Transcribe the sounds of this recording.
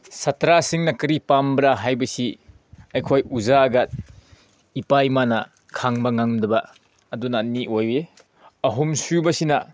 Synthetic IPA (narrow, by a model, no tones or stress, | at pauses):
sɐtɾasiŋnɐkɐɾipambɾaɦajbɐsi | ɐjkʰojuzaɡat̚ | ipajmanɐ | kʰaŋbɐŋaŋdɐbɐː | dunaːnːiʔoje | ɐɦumsubɐsinɐ